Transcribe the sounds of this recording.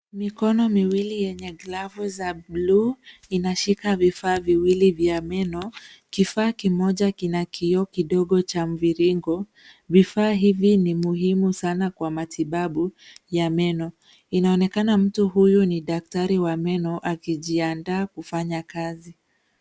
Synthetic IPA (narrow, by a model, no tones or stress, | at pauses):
mikɔnɔmiwilijɛɲɛɡlavuzabluːinaʃikavifaːviwilivjamɛnɔkifaːkimɔʄakinakʰiɔkiɗɔɠɔt͡ʃam̩viɾiŋɡɔ | vifaːɦivinimuɦimusanakwamatʰiɓaɓujamɛnɔ | inaɔnɛkanam̩tuɦujuniɗak̚taɾiwamɛnɔʔakiʄiandaːkufaɲakazi